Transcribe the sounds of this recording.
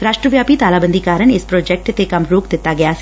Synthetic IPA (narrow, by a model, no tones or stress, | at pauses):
ɾaːʃʈɾəʋjaːpit̪aːlaːbənd̪ikaːɾəɽ̃ɪspɾɔːd͡ʒɛk̚ʈt̪ekɐmɾoːkd̪ɪt̪ːaɡɪjaːsi̥